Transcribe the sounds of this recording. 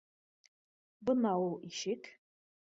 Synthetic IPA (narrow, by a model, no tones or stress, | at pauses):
bɨnawuiʃɪkʲʼʰ